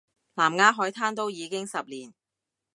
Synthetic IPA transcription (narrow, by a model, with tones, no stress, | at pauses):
laː˨˩mŋaː˧ɦɔː˨˥jt̪ʰaː˥nt̪o˥wjiː˨˧kɪ˥ŋsɐ˨p̚liː˨˩n